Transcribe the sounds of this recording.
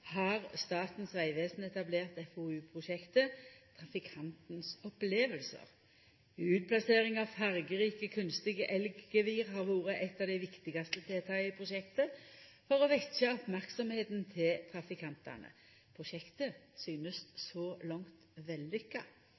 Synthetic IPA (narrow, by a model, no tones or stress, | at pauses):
hɑʁst̪ɑːt̪n̩sʋæɪʋeːsn̩ɛt̪ɑbleːʁt̪ɛfoːʉːpʰʁʊʃɛkt̪ət̪ʰʁɑfɪkʰɑnt̪nsɔpleːʋəlsə̰ʁ | ʉːt̪̚pʰlɑseːʁɪŋɑʋfæʁɡəʁiːkəkʰʉnst̪ɪɡəʔɛlɡɡeʋiːʁhɑʁʋuːʁəʔɛt̪ːɑːʋd̪æɪʋɪkt̪ɪɡɑst̪ət̪ʰeːt̪ʰɑːəɪpʰʁʊʃɛkt̪əfɔʁɔʋɛksəɔpmæʁksɔmheːt̪nt̪ʰɪlt̪ʰʁɑfɪkʰɑnt̪ɑ̰nə̰ | pʰʁʊʃɛkt̪əsyːnəssɔlɔŋt̪ʋɛlːʏkːɑ